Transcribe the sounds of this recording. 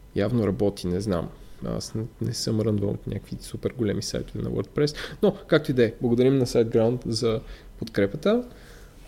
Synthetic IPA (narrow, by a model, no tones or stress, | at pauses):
javnoɾɐbɔt̪inɛzna̰ma̰snɛsəmɾənvəmo̰t̪nʲʔa̰kəkvisupɛɾɡolɛmisa̰jt̪ovɛnɐ̰wə̰ɾt̪̚pɾɛsnokak̚t̪oid̪ɛblˠɐɡod̪ɐɾimnɐsajd̪̚ɡɾawnt̪zɐ | pot̪kɾɛpət̪ə